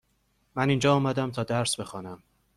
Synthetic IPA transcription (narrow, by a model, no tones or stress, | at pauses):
mæniːnd͡ʒɒːɒːmæd̪æmt̪ʰɒːd̪æɾsbe̞xɒːnæm